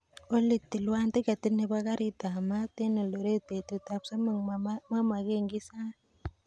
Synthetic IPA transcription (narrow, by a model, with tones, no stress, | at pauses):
o˦li˨tːi˨lwa˦nte˦ka˨ti˦ne˨ba˦ka˦ɾi˦ta˨ma˦te˦ne˨lo˨ɾe˦te˨tu˨ta˨psa˦m˦ŋma˦ma˨ke˦ŋɡi˦sa˦